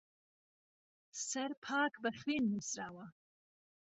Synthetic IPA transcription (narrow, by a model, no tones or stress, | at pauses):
sɐrpʰaːkʰbɐχʲweːnmɨsraːwa